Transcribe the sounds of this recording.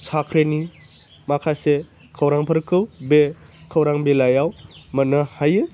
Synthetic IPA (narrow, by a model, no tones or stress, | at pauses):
sakʰɾeni | makʰase | kʰəwɾaŋpʰɐɾkʰɯwbekʰəwɾaŋbelajawmɐnɯhajɯ